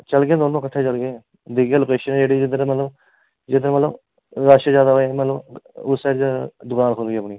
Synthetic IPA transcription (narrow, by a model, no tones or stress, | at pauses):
t͡ʃəlɡẽːd̪oːnõːkəʈʰːeːt͡ʃəlɡeː | d̪iɡelʊkeːʃənːd͡ʒeːɽiːd͡ʒɪd̪ɾmət̪ləb | d͡ʒɪd̪ɾmət̪ləb | ɾaːʃəd͡ʒjaːd̪aːɦoemət̪ləbʊsɛːʈd͡ʒad̪ʊkaːnkʰolɡiːəpniː